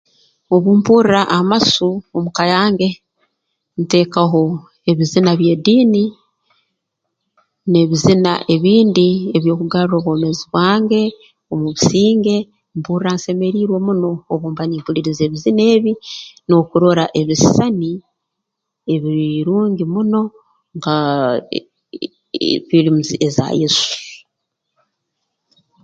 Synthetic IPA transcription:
o̞βuːmpuːɾiɾaʔamasuomukajaːŋɡe̞ | nite̞kaɦo̞ | e̞βizinaβje̞ːdiːni | ne̞βizina̰ʔe̞βiːndieβjoːkuɡaɾɾo̞ːβwoːme̞ziβwaːŋɡe̞ | o̞muβisiːŋɡe̞ | mbuɾaːnse̞me̞ɾiɾwe̞muno̞ːβuːmbaɲiːmpuliɾize̞ːβizine̞ːβino̞kuɾo̞ɾaʔe̞βisisani | eβiɾuːɲɡimuno̞ | ŋɡa | βilimuziʔeza̰jisu̥

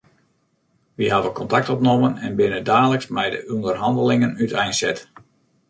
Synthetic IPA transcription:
ʋiɦɑdəkɔntɑk̚tɔp̚nomənɛnbɪnədaːləksmɛjdə̰ʔundərɦɑndəlɪŋənytʰɛjnsɛt

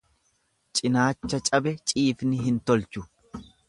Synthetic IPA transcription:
t͡ʃʼɪnaːt͡ʃːɐt͡ʃʼɐbɛt͡ʃʼiːfnɪɦɪnt̪ɔlt͡ʃʊ

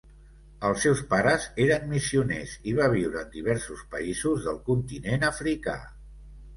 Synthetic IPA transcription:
əlˠsɛwspaɾəzeɾəmmisiunḛziβ̞aβ̞iwɾəːnd̪iβ̞ɛɾsuspə̰izuzðəlˠkunt̪inenəfɾika̰

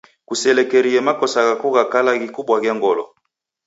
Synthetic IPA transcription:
kusɛlɛkeɾiɛmakɔsaɣakuɣakalaɡikubwaɡɛŋɡɔlɔ̰

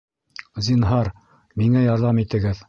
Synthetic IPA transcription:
zinɦɑɾ | miŋæjɑɾðɑmit̪ɘ̆ɡɘð

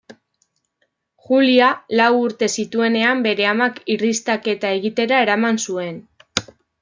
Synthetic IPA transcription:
xulialawuɾt̪e̞sit̪ue̞ne̞ambe̞ɾe̞amakirist̪ake̞t̪ae̞ɣit̪e̞ɾae̞ɾamansue̞n

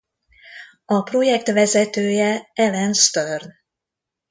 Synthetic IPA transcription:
ɒpro̞jɛkt̪vɛzɛt̪øːjɛɛlɛnst̪ørn

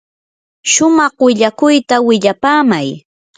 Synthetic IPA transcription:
ʃʊmɑχwɪʎakʊjt̪awɪʎapaːmaj

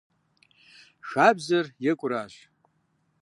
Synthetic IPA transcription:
ʂabzarjɪkʷʼraʒʷ

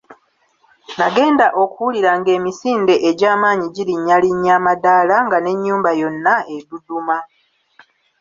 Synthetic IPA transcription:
naɡe̞ːndaʔo̞kuwuliɾaŋɡe̞ːmisiːnde̞ʔeɟaːmaːɲiɟiɾiɲːaliɲːamadaːlaŋɡane̞ɲːuːmbajo̞nːae̞duduma

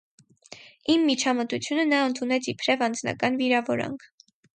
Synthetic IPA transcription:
imːit͡ʃʰɑmət̪ut͡sʰjunənɑənt̪ʰunɛt͡sʰipʰɾɛvɑnd͡znɑ̰kɑnviɾɑvɔɾɑ̰ŋkʰ

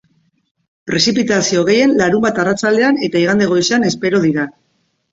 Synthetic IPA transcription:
pɾe̞sipit̪asio̞ɣ̞e̞je̞nlaɾumbat̪arat͡sald̪e̞ane̞t̪aiɣand̪e̞ɣ̞o̞jsane̞spe̞ɾo̞ðiɾa

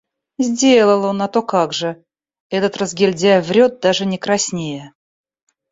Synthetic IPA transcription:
zʲdʲelˠəlˠonat̪o̞kaɡʐɨ | ɛt̪ət̪rəzɡʲɪlʲdʲævɾʲo̞t̪̚d̪aʐɨnʲɪkɾɐsʲnʲejə

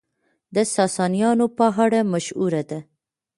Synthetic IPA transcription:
d̪əsɑsɑnijɑnopaɦɑɽamaʃuɾad̪a

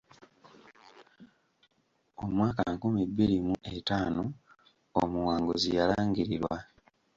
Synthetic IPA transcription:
omwaːkanakumibːiɾimuʔetaːno | omuwaːŋɡozijalaːŋɡiɾiɾwa

